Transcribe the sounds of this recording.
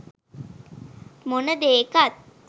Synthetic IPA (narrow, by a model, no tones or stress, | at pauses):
monəd̪eːkat̪̚